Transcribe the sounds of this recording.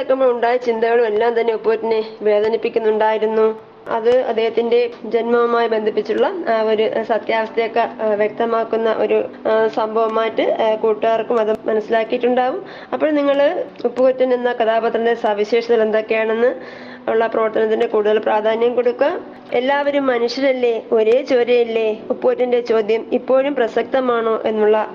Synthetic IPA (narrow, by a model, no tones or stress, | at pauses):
kːɐmoːuɳɖaːjit͡ɕind̪ɐɣɐɭume̞lːaːmt̪ɐnːe̞upːukutːineʋe̞ːd̪ʱɐnipːikʲːunːuɳɖaːjiɾunːu | ɐ̰ðɨɐ̰d̪ːeːɦɐt̪ːinde̞d͡ʑenmɐʋumaːjibe̞nd̪ʱipːit͡ɕːuɭːɐːoɾusɐt̪jaːʋɐst̪ʰɐjokːeʋjek̚t̪ɐmaːkːunːɐʔo̞̰ɾusɐmbʱɐʋɐmaːjtːɨkuːʈːuaːrkːumɐðɨmɐnɐsːilaːkːijiʈːuɳɖaːʋum | ɐpːoːɭniŋːɐɭupːukutːunninːɐkɐðaːbɐt̪ːrinde̞sɐʋiɕe̞ːʂɐt̪ːile̞nd̪o̞kːe̞jaːɳe̞nːɨ | uɭːɐprɐʋɐrt̪ɐnɐt̪̬ːinde̞kuːɽuðɐlpraːd̪ʱaːnjɐmko̞ɽukːaː | elːaːʋɐɾumːɐnuʂjɐɾɐlːe̞o̞ɾeːt͡ɕo̞ːɾjɐjilːe̞upːukotːinde̞t͡ɕo̞ːd̪ʱjɐmipːo̞ːɻumprɐsɐk̚t̪ɐmaːɳoːʔe̞nːuɭːɐ